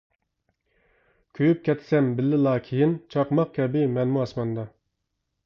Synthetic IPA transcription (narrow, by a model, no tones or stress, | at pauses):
kʲʰøjyp̚kʲɛt̪sɛmbɪlːɪlˠɑːkʲʰijint͡ʃʰɑqmɑq̚kʲʰɛbɪmɛnmuɑsmɑnd̪ɑ